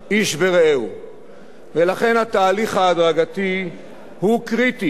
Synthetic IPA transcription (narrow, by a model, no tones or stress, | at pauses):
ʔiʃveʁeew | velaχe̞nhat̪aːliχhaːd̪ʁaɡat̪i | hukʁit̪i